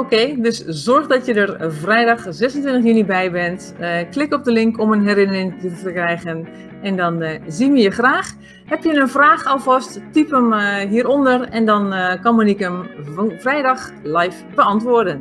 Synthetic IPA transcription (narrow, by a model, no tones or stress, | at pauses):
okeːdøszɔrɣdɔtjədərvrɛjdɑxzɛsəntʋɪntəxjynibɛjbɛnt | klɪkɔp̚dəlɪŋkɔmənɦɛrɪnərɪŋtəfəkrɛjɣən | ɛndɔnziməjəxraːx | hɛpjənənvraːxalˠfɔsttipəmɦiəɾondərɛndɔnkɑnmənikəmvrɛjdɑxlajfb̥əɑntʋʊːrdən